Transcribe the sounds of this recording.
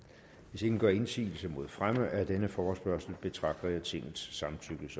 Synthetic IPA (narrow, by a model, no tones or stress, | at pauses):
ʋe̝se̝ɡ̥n̩ɡ̥ɶ̰ɐ̰e̝nsḭːl̩səmo̝ð̞̰ˠfʁaməʔæɐd̥enəfɒːsb̥ɶɐsl̩b̥e̝t͡sʰʁɑ̈ɡ̥̚d̥ɐjɑ̈ɪt͡sʰe̝ŋ̰ð̩ˠsːɑ̈mnt͡sʰyɡ̥əs